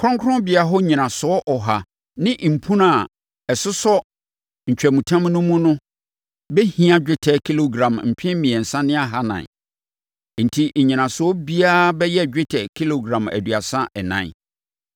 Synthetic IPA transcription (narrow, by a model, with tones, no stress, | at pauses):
kʰɾɔ̃˦ŋkʰɾɔ̃˦bɪ˨a˨ɦɔ˦ɲĩ˨nã˨sʊ˨˦ɔ˦ʔɔ˨ɦa˨ | nɪ̃˦ʔm̩˨pʰũ˦na˨ | ɛ˨sʊ˦sɔ˦ | ɲ̩˨t͡ɕᶣɛ˨mũ˨tʰã˦mnʊ̃˦mʊ̃˦nʊ̃˦ | be˦hĩ˦ã˨d͡ʑᶣɪ˦tʰɛ˨kʰi˦lo˨ɡɾã˨mm̩˨pʰɪ̃˦mĩ˨ɛ˨n̩˨sã˦nɪ̃˦a˨ɦa˦nã̰˨n | n̩˨tʰi˦˨ɲĩ˨nã˨sʊ˨˦ɔ˦bi˦a˦bɛ˦jɛ˦d͡ʑᶣɪ˦tʰɛ˨kʰi˦lo˨ɡɾã˨mæ̰˨du˨a˨sã˦ʔɛ˨nã̰˦